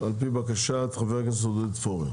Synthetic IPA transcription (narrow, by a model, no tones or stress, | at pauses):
alpibakaʃat̪χaveʁkens̬od̪et̪foʁi